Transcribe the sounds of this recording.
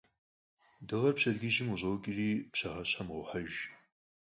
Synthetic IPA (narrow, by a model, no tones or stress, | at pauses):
dɐʁɐrpɕɐdɡʲɪʒɪmuʑoːkʲʼɪriːpɕɐʁɐɕamʁʷħaʒ